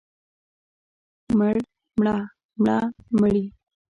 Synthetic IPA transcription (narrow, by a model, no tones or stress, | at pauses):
məɽ | mɽɑ | mɽɑməɽi